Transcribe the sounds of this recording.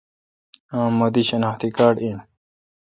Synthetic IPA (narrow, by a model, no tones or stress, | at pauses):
ãːmːod̪iɕɐnaːxt̪ikaːɖĩn